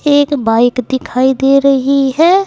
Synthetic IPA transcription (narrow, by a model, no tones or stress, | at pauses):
eːkbaːɪkd̪ɪkʰaːid̪eɾəɦiɦɛː